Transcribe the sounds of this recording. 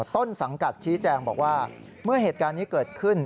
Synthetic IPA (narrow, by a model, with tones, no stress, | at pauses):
t̪o˥˩nsa˩˦ŋka˨˩t̪̚t͡ɕʰiː˦˥t͡ɕɛː˧ŋbɔː˨˩k̚waː˥˩ | mɯ˥˩ɐɦeː˨˩t̪̚kaː˧nːiː˦˥kɤː˨˩t̪̚kʰɯ˥˩n